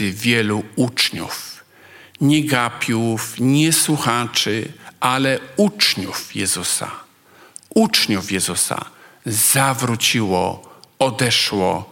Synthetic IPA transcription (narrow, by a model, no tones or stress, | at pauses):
ɨvʲjɛluut͡ʂɲṵf | ɲɛɡapʲjufɲɛswuxat͡ʂɨʔalɛut͡ʂɲufjɛzusa̰ | ut͡ʂɲufjɛzusa̰zavɾut͡ɕiwɔ̰ɔd̪ɛʂwɔ̰